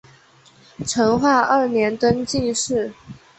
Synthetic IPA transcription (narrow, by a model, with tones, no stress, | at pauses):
ʈ͡ʂʰɤ˧˥ŋxwa˥˧ʔə˥˩njɛ˧˥nt̪ə˥nt͡ɕi˥˧ŋʂɻ̩˥˩